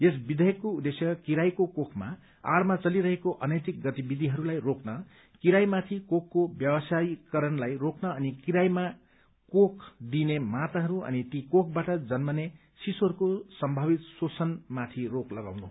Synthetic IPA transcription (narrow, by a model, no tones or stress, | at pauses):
jesbid̪ʱʌjʌkːoud̪esjʌkiɾajkokokʰma̰ | a̰rmat͡sʌliɾʌɦekoʔʌnʌjt̪ik̚ɡʌt̪ibid̪ʱiɦʌɾulajrokʰnʌ | kiɾajmat̪ʰikokʰːobjʌbʌsajkʌɾʌnlajrokʰnʌːnikiɾajma | kokʰd̪inemat̪aɦʌɾuʌ̰nit̪ikok̚ʰbaʈʌd͡zʌnmʌne | sisorkosʌmbʱʌbit̪sosʰʌnmat̪ʰiroklʌɡa̰wnu